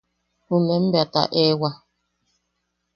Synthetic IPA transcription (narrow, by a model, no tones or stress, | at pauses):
humɛm̩bata̰ʔɛwa